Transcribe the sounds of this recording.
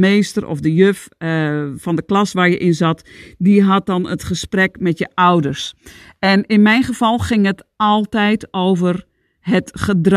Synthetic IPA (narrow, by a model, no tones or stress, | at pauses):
eːstərʔɔ̰fdəjøf | fɔndəklɑsʋaːrjəʔɪnzɑtdiɦɑt̚dɔnətχəsprɛkmɛtjəʔawdərsɛnɪnmɛjnχəvɑlˠxɪŋətɔlˠtɛjtowvər | ɦətχəd